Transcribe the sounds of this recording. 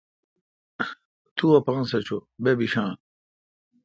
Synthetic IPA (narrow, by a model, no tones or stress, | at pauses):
t̪ʰuɐpɐŋsɐt͡ɕʰobebiɕãː